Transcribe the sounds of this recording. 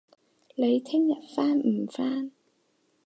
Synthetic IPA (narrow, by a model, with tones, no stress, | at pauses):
le˨˧jt̪ʰɪ˥ŋjɐ˨t̚faː˥nm̩˨˩faː˥n